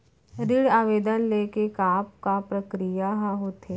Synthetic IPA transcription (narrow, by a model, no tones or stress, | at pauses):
ɾiɽaːʋeːd̪ənleːkekaːp̚kapɾəkɾijaɦãɦot̪eː